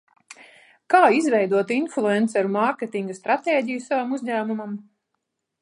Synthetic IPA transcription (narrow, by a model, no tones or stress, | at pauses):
kaːizvɛjd̪uɔt̪inflˠuɛnt̪sɛɾmaɾkʲet̪iŋɡast̪ɾat̪eːɟijusavamuzɲæːmumam